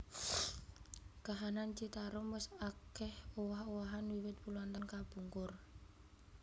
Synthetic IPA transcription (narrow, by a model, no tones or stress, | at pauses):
kaɦanant͡ʃit̪aɾʊmwəsakɛhowahowaɦanwiwɪt̪̚puluant̪ankab̥ṳŋkʊr